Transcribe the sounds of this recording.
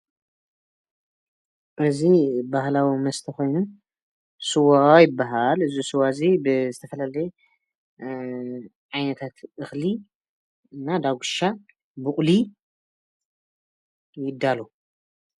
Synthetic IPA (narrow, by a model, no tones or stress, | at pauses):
ʔɨzibahlawimɐst̪ʰixo̞jnu | sɨwaajɪbːaɦalɨzisɨwazibɨzɨt̪ʰɐfɐlalɐjɛ | ʕajnɐt̪ʰat̪ʔɨxli | ɨnːad̪aɡʷuʃa | bɨχʼli | jɪd̪ːalo